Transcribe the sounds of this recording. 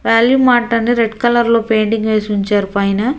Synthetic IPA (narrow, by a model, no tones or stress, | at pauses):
ʋaːljumaːʈːɐniɾɛɖkɐlɐɾloːpeːɳɖiŋɡʋeːsiʋuɲt͡ʃaːɾpɐjnɐ